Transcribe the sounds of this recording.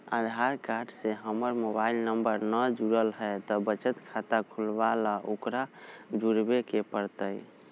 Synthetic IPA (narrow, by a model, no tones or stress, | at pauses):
a̰d̪ʱaɾkaɾɖseɦəməɾmobailnəmbəɾnəd͡ʒuɾəlɦəjt̪ɔbət͡ʃət̪kʰat̪akʰulbalaʔokɾad͡ʒuɽbekepəɾt̪əj